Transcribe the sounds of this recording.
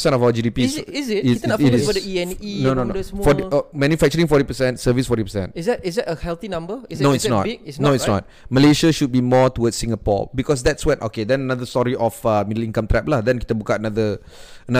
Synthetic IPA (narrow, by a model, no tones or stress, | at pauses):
sɛ̃ntɔfawəd͡ʒidipizitidiɛ̃ninononofɔtimɛ̃njufɛk̚t͡ʃəɾĩŋfɔɾipəsɛ̃ntsəvisfɔtipəsɛ̰̃nɪzɛtɪzɛtəhɛlθinãmbənoitsnɔ̰tnoitsnɔ̰t̚ | məleʃaʃud̚bimɔtuwədsːĩŋəpɔ̰bikɔs̬d̪ɛtswɛnʔo̰kedɛ̃nənad̪əstɔɹiʔɔfamidəlĩŋkãmt̪ɹɛp̚lahdɛ̃nki̥t̪əbukaənad̪ə | əna